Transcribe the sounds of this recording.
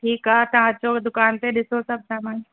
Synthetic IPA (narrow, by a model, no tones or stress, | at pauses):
ʈʰiːkɦaɦt̪ɐãt͡ʃod̪ʊkaːnt̪eɗɪsosɐb̚samãː